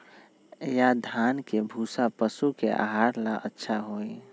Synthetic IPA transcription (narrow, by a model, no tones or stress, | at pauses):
jad̪ʱankebʱuːsapəsukeʔa̰ɦaːɾlaʔətːʃʰaɦoːi